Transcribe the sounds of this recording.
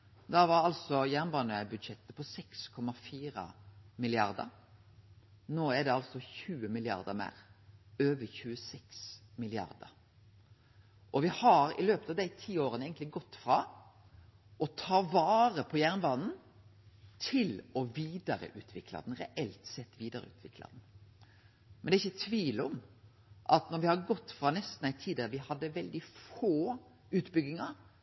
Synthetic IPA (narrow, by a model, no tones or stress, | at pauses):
d̪ɑʋɑɾɑlsɔjæʁnbɑːnəbʉd̪ʃɛt̪ːəpʰɔsɛkskʰɔmɑfiːɾɑ̰mɪlɪɑɾd̪ə̰ɾ | noːæd̪ɛɑlsɔçʉːəmɪlɪɑ̰ɾd̪əɾmæ̰ːɾøːʋəçʉːəsɛksmɪlɪɑ̰ɾd̪ə̰ɾ | ʔɔʋɪhɑɾɪ̰løːpət̪ɑʋd̪æɪt̪ʰiːoːɾənəeɪɡnt̪lɪɡɔt̪ːfɾɑː | ɔt̪ʰɑːʋɑːɾəpʰɔjæʁnbɑːnn̩ | t̪ʰɪlɔʋiːd̪ɑɾə̰ʔʉːt̪ʰʋɪklɑ̰d̪n̩ɾɛʔɛlt̪sɛt̪ːʋiːd̪ɑɾə̰ʉːt̪ʰʋɪklɑ̰d̪n̩ | mɛnd̪æɪçːət̪ʰʋiːlɔm | ʔɑt̪nɔɾʋɪhɑɾɡɔt̪ːfɾɑnɛst̪n̩æɪt̪ʰiːd̪əʋɪhɑd̪ːəʋɛld̪ɪfoː | ʉːt̪bʏɡːɪŋɑɾ